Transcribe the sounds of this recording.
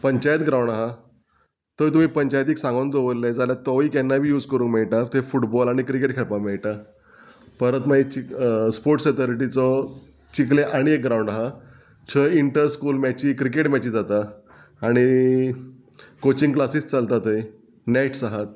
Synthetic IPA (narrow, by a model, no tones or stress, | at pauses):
pəɲt͡ɕajət̪ɡɾawɳɖaɦa | t̪ojt̪̬um̤iːpəɲt͡ɕajt̪̬iksãŋɡãnd̪oʋəlːed͡zaljat̪ɔʋiːkɛnːabʱiːjuːd͡zkəɾuːnmeɭʈat̪ʰefuʈbɔlaɽ̃ikɾikeʈkʰeɭpameɭʈa | pəɾət̪mait͡ɕispoɾʈset̪ɔɾiʈit͡sɔ | t͡ɕikleʔaɽ̃iek̚ɡɾauɳɖaɦa | t͡ɕʰəiɳʈəɾskuːlmɛt͡ɕiːkɾikeʈmɛt͡ɕiːd͡zat̪aː | ɽ̃i | kot͡ɕiŋɡklasiːst͡salt̪at̪əi | neʈsaɦat̪̚